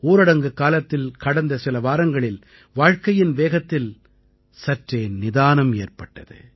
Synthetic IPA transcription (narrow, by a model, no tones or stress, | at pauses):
uːɾɐɽɐŋɡɯkaːlɐt̪ːɪlkɐɽɐnd̪ɐsɪlɐʋaːɾɐŋɡɐɭɪl | ʋaːɻkɐjɪnʋeːɣɐt̪ːɪl | sɐʈreːnɪðaːnɐmeːrpɐʈːɐðɯ̰